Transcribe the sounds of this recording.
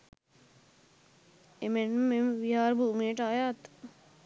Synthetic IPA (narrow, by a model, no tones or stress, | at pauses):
emenmemʋiɦaːɾbuːmeːʈaːjaːt̪